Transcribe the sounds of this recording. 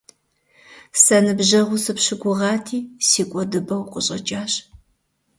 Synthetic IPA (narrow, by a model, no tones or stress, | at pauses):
sɐnɨbʑɐʁʷʊsɨpɕɪɡʷʊʁɑːtʰiːsiːkʷʼɔdɨbɐwqʷʼʊɕʼɐt͡ʃʼaːɕ